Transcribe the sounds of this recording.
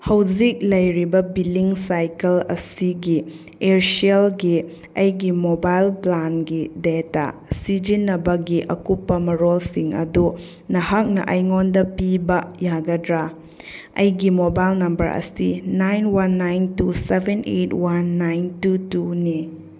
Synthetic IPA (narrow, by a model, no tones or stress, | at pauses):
hɐwd͡ʒik̚lɐjɾibɐbilːiŋsajkɐlɐ̰siɡi | eɾsielɡi | ɐjɡimobajlplanɡideta̰sid͡ʒinːɐbɐɡiʔɐkupːɐmɐɾolsiŋɐ̰du | nɐhak̚nɐ̰ʔɐjŋondɐpibɐjaɡɐdɾa | ɐ̰jɡimobajlnɐmbɐ̰ɾɐ̰sinajnwanːajntusebʱenʔetwanːajntutuni